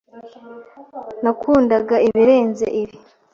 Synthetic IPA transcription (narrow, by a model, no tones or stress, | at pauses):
nakʰuːndaɡaiβiɾeːnze̞̰ʔiβi